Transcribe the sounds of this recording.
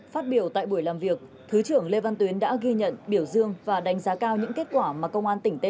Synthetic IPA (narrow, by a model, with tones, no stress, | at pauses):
faː˦˥t̚ɓi˧˩əwt̪a̰ː˧˨jɓu˧˩əjlaː˨˩mvi˨˩ək̚ | t̪ʰɨ˨˦t͡ɕɨ˧˩əŋle˧va˧nt̪wi˨˦ənɗa̰ː˧˥ɣi˧ɲə̰˧˨nɓi˧˩əwzɨ˧əŋvaː˨˩ɗa˨˦jŋ̟zaː˨˦kaː˧wɲɨ̰˧˥ŋke˦˥t̚kwaː˧˩maː˨˩kə˧wŋ͡mʔaː˧nt̪ï˧˩ŋ̟t̪e˧˦